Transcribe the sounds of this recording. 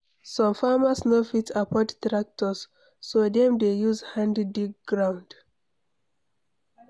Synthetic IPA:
sɔ̃mfamasnofitʰapʰɔttɹak̚tʰɔsː | odɛ̃mdejuzhãnddik̚ɡɹãw̃nd

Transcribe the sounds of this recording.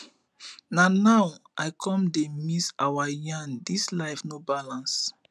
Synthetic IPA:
nãnawaɪkʰɔ̃mdemisawajãndislaɪfnobalãns

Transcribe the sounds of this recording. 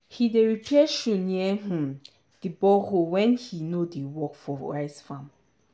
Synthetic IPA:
hideɹipʰɛʃũniɛɦũ | d̥ibɔhowɛ̃nhinodewɔkfɔɹa̰ɪsfãm

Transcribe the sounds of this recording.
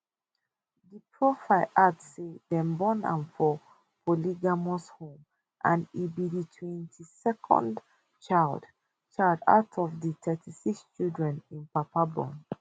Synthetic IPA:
dipʰɹofaɪlʔadsedɛ̃mbɔ̃nã̰nfɔ | pʰoliɡamɔshõm | ʔã̰nibiditʰwɛ̃ntʰisɛkʰɔ̰̃nd | t͡ʃald | t͡ʃaɪda̰ʊtʰɔfditʰɛtʰisikst͡ʃildɹɛ̃nĩnpapabɔ̰̃n

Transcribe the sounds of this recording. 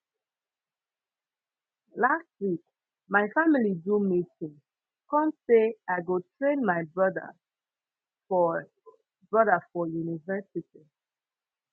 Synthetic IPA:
last̚wik | maɪfamilidumitĩŋ | kɔ̃mseaɪɡotʰɹẽnmaɪbɹʌdə̰ | fɔ | bɹʌdəfɔjunivɛsiti

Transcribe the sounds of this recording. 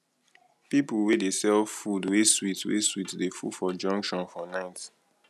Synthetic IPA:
pipulwedesɛlvfudweswitwḛswitdefṵdfɔd͡ʒɔ̃ŋkʃɔ̃nfɔnaɪt

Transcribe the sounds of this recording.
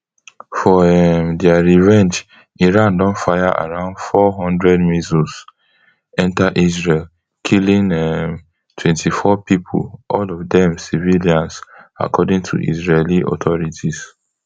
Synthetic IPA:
fɔɛmdɛaɹivɛ̃nd͡ʒ | iɹãndɔ̃nfajaʔa̰ɹãʊ̃ndfɔɦɔ̃ndɹɛdmizus | ɛ̃ntaʔisɹel | kʰilĩnɛm | tʰwɛ̃ntʰifɔpipʰṵlʔɔlɔvdɛ̃msiviliãnsa̰kʰɔdĩŋtʰṵʔḭsɹeliʔɔ̰tʰɔɹitʰis

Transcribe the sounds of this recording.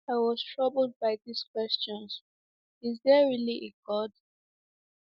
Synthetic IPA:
aɪwɔztɹʌbld̚baɪðiskwɛst͡ʃɔ̃ns | izdɛɹiliʔeɡɔd

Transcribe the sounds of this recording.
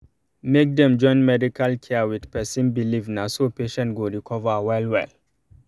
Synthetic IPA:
mek̚dɛ̃md͡ʒɔ̃ɪ̃nmɛdikʰalkʰɛwidpɛsĩnbilivnasopeʃɛ̃ntɡoɹikʰɔvawɛlwɛl

